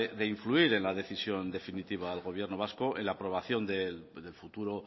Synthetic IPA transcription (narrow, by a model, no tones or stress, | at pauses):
ðe̞iɱfluiɾe̞nlaðe̞θisjo̞nd̪e̞finit̪iβ̞aelɣo̞β̞je̞ɾnoβ̞askoenlaːpɾo̞β̞aθjo̞nd̪eld̪e̞lfut̪uɾo